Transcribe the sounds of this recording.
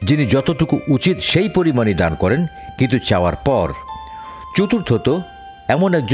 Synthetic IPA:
d͡ʑinid͡ʑɔt̪oʈukuʔut͡ɕit̪ʃejpoɾimanid̪ankɔɾen | kint̪̬ut͡ɕaoa̰ɾpɔɾ | t͡ɕut̪uɾt̪ɦot̪o | ɛmonɛk̚d͡ʑ

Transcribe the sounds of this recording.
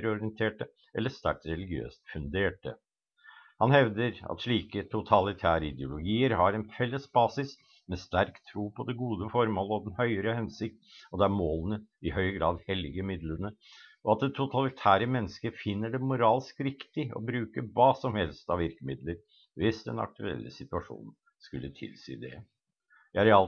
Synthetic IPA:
ɾɔɾɪɛnt̪ʰeːʈə | ɛlːəʂt̪æ̰ʈ̪ɾɛlɪɡɪø̰ːst̪fʉnd̪eːʈə̰ | hɑnhɛʋd̪əɾɑ̰t̪ʂɭiːkət̪ʰʊt̪ʰɑlɪt̪ʰæːɾəɪd̪ɪʊlʊɡiːəɾhɑɾɛnfɛlːəsbɑːsɪs | mɛst̪æɾkt̪ʰɾuːpʰɔd̪ɛɡuːd̪əfɔɾmoːləɔd̪ɛnhœʏəɾəhɛnsɪk̚t̪ɔd̪ɛæɾmoːlənəɪhœʏəɡɾɑːd̪hɛlɪɡəmɪd̪lənəɔɑt̪̚d̪ɛt̪ʰːʊt̪ʰɑlɪt̪ʰæːɾəmɛnːəskəɾfɪnːəɖɛmʊɾɑːlskɾɪkt̪ɪɔ̰bɾʉːkəɾʋɑːsɔmhɛlst̪ɑʋɪɾkəmɪd̪ləɾ | ʋɪsd̪ɛ̰nɑ̰k̚t̪ʉɛ̰lːə̰sɪt̪ʉɑʂṵːnn̩ | skʉlːət̪ʰɪ̰lsḭːd̪ɛ̰ | jææɾɪɑl

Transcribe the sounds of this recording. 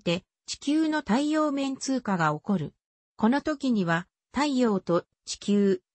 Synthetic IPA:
t̪e̞ | t͡ɕi̥kʲɨːno̞t̪aijo̞ːmẽ̞nt͡sɨːkaɡao̞ko̞ɾɯ̟ | ko̞no̞t̪o̞kʲiɲ̟iβ̞a | t̪aijo̞ːt̪o̞ | t͡ɕi̥kʲɨː

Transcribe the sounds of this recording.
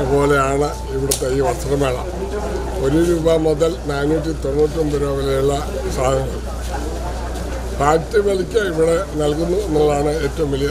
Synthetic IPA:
po̞ːle̞jaːɳɨ | iʋiɽut̪ːeiːʋɐst̪ɐrɐmeːɭɐ̰ | o̞ɾuɾuːbɐmoðɐlnaːnːuːt̬ːit̪o̞nːuːʈːɐmbuɾaːʋilɐjuɭːɐ | saːɡʱɐŋɐ | paːk̚tːɐʋɐlikʲːɐiʋiɽe̞nɐlkunːuenːɐlaːɳɨeːtːɐʋumʋilij

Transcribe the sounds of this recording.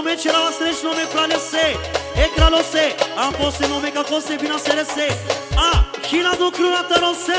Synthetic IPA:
mẽt͡ʃʰɛɾaʋasɾet͡ʃnɔmepɾaleseekɾalɔseãpɔsenɔmẽkakɔsebinaseɾeseãkʰinad̪ukɾunãt̪ɐɾɔ̃se

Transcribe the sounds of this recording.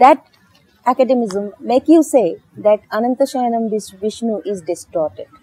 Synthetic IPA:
d̪æʈ | ækɛɖemɪzə̃mːeːkjuseːd̪æʈɐnə̃nt̪əʃɐjənə̃md̪ɪsʋɪʃnuʔɪzɖɪsʈɔːɾʈeɖ̚

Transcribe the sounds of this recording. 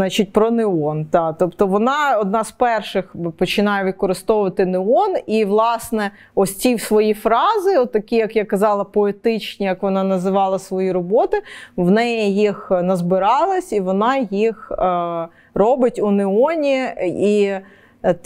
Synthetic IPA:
nɑt͡ʃɪt̚ʲpɾɔnɪɔnt̪ɑt̪ɔpt̪ɔʋɔnɑɔd̪̚nɑzpɛrʃɪxpɔt͡ʃɪnɑjɛʋʲid̪̚kɔɾɪst̪ɔʋʊʋɐt̪ɪnɪɔniʋlˠɑsnɛ | ɔsʲt͡sʲiwsʋɔjifɾɑzɪɔt̪ːɐkʲijɐkjakɐzɑlˠɐpɔet̪ɪt͡ʃnʲijɐkʋɔnɑnɐzɪʋɑlˠɐsʋɔjiɾɔbɔt̪ɪʋnɛjijixnɐzbɪɾɑlˠɐsʲiʋɔnɑjix | rɔbɪtʲunɪɔnʲii

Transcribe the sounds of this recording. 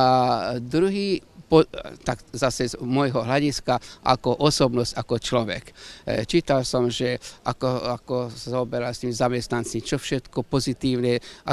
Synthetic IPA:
ad̪ɾuɦiːpɔt̪akzasɛzmɔjɦɔɦlaɟiskaʔa̰kɔʔɔsɔbnɔscakɔt͡ʃlɔʋɛ̰kt͡ʃiːt̪alsɔmʒɛʔakɔakɔsazaɔbɛɾalst̪iːmzamɛst̪nant͡sit͡ʃɔfʃɛt̪kɔpɔzit̪iːʊnɛʔa

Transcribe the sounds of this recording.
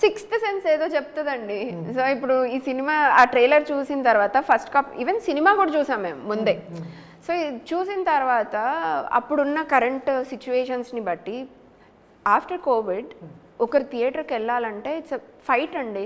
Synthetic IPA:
sikst̪sense̞ːd̪o̞ːt͡ʃɛp̚t̪ɐd̪ɐɳɖisoːipːuɽuiːsinimaːaːʈɾeːlɐɾt͡ʃuːsinɐt̪ɐɾʋaːt̪ɐpʰɐsʈkaːpḭːʋensinimaːkuːɽɐt͡ʃuːsaːmːḛːmːund̪e̞ː | soːt͡ʃuːsinɐt̪ɐɾʋaːt̪ɐɐ̰pːuɽunːɐkɐɾeɳʈsit͡ʃuʋeːʃɐnsnibɐʈːi | aːpʈɐɾkoːʋiɖ | ɔkɐɾit̪ʰijeːʈɐɾkɛɭːaːlɐɳʈe̞ːpʰɐjʈɐɳɖi

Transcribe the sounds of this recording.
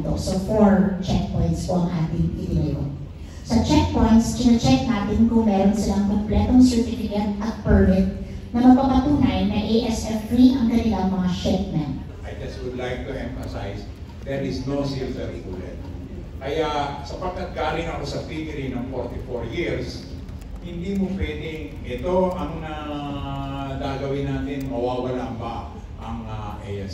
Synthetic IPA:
t̪osɐfoɹt͡ʃɛk̚pojnt̪skoʔɐŋʔaːt̪ɪŋʔɪ̰t̪onɐjo̰n | sɐt͡ʃɛk̚po̞jnt̪skɪnɐt͡ʃɛk̚naːt̪ɪnkʊŋmɛːɾonsɪlaŋpɐŋplɛːt̪oŋsɛɹt̪ɪfɪkɛnt̪ʔɐt̪̚pɛɹmɪt̪̚ | nɐmɐɡ̚papɐt̪uːnɐjnɐʔeʔɛsʔɛft̪ɾiʔɐŋkɐnɪlaŋmɐŋaʃɛp̚mɛn | ʔɐjd̪ɛswʊd̪lajk̚t̪uʔɛ̃ɱfɐsa̰js | d̪̥ɛɹʔɪsnosilt̪ɛɾkuːlɛ̰t̪̚ | kɐjasɐpɐɡ̚kːat̪̚ɡaːlɪŋɐko̞sɐfiɡɪɾɪnɐŋfoɹt̪ɪfoɹjiɹs | hɪnd̪iːmopwɛːd̪ɪ | ʔɛt̪o̞ʔɐŋnɐ | d̪aːɡɐwɪnaːt̪ɪnmɐwaːwɐlaŋbɐ | ʔɐŋɐʔeʔɛs

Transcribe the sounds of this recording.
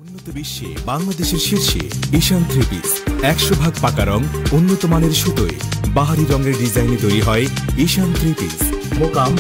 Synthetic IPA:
unːot̪obiʃːḛbaŋlad̪eʃeɾʃiɾʃḛiʃant̪ɾipḭs | ɛkʃobʱaɡ̚pakaɾɔŋunːot̪omaneɾʃut̪oebaɦaɾiɾɔŋɡeɾɖid͡ʑajned̪ojɾiɦɔeiʃant̪ɾipḭsmokam

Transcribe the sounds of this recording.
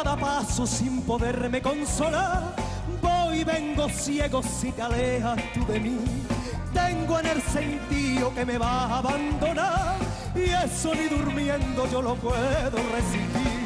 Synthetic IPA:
ðapasosimpo̞ðeɾme̞ko̞nso̞laɾ | bojβe̞ŋɡo̞sjeɣo̞sːit̪ealehast̪uðe̞mi | t̪eŋɡoenelse̞nt̪ioke̞me̞βaaβand̪o̞naɾ | iesoniðuɾmjẽ̞nd̪od͡ʒo̞lopweðoresii

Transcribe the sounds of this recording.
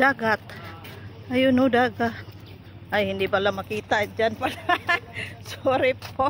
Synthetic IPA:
aɡat̪̚ | ajunudaɡat̪̚ | ajindibalamakit̪ad͡ʒanpalasoɾipɔ

